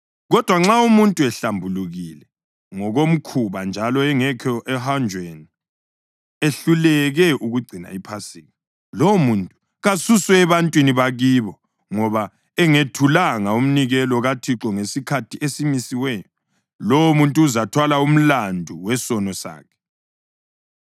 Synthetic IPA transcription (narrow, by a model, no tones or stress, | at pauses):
ɣɔd̥ʱwaŋ͡ǁaumuntʼuɛɬambʱuluɣilɛ | ŋɔɣom̩kʰuβand͡ʒʱalɔɛŋɛkʰɔʔɛhand͡ʒʱweni | eɬulɛɣɛʔuɣuɡ͡ǀʱina̰ipʰasiːŋi | lomuntʼu̥ | ɣasuswɛɛβantʼwiniβaɣiːβɔ | ŋɔβa | ɛŋetʰulaŋaum̩niɣɛlɔɣatʰiǁɔŋesikʰatʰiesimisiwɛjɔ | loomuntʼuːzatʰwalaum̩landʱuwɛsɔnɔsa̰ːkʰɛ̥